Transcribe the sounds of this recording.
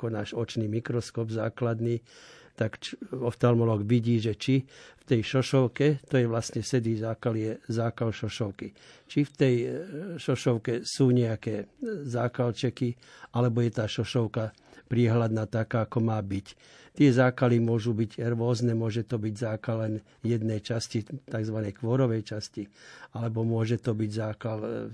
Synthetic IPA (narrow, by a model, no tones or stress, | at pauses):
kɔnaːʒɔt͡ʃniːmikɾɔskɔːbzaːklad̪niːt̪akt͡ʃɔft̪almɔlɔːɡʋiɟiːʒɛt͡ʃift̪ɛjʃɔʃɔʊkɛt̪ɔjɛʋlasɲɛsɛd̪izaːkaliɛzaːkalʃɔʃɔʊki | t͡ʃift̪ɛjʃɔʃɔʊkɛsuːɲɛakɛːzaːkalt͡ʃɛki | alɛbɔjɛt̪aːʃɔʃɔʊka | pɾiɛɦlad̪naːt̪akaːkɔmaːbic | t̪ɪɛzaːkalimʊɔʒubiɟɾʋʊɔznɛmʊɔʒɛt̪ɔbiɟzaːkalːɛn | jɛd̪nɛjt͡ʃascit̪aɡzʋanɛjkʋɔɾɔʋɛjt͡ʃascialɛbɔmʊɔʒɛt̪ɔbiɟzaːkal